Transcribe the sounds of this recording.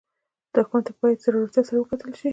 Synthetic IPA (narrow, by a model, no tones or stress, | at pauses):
d̪̥əakumat̪ebɑjat̪zaɾuɾat̪jat̪saɾawəkat̪əlʃi